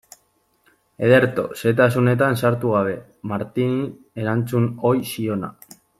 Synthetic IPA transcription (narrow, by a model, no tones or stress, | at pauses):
e̞ð̞e̞ɾt̪o̞se̞t̪̬asune̞t̪ansaɾt̪uɣaβ̞e̞ | maɾt̪ini | e̞ɾant͡suno̞jsio̞na̰